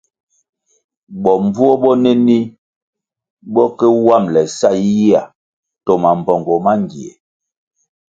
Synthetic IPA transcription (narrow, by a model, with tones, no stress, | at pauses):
ɓɔ˨m˦bu˦ɔ˦bɔ˦nɛ˦ni˦ | bɔ˦kɛ˦wa˦˨mlɛ˨sa˦˨i˦ji˦a˨ | tɔ˨ma˨m˨bɔ˨ŋɡɔ˨ma˦ŋ˨ɡi˨ḛ˨